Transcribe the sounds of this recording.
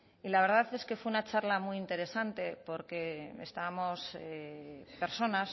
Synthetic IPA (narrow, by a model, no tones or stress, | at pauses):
ilaβe̞ɾðaθe̞ske̞fweunat͡ʃaɾlamwuint̪e̞ɾe̞sant̪e̞po̞ɾke̞est̪aβamo̞sepe̞ɾso̞nas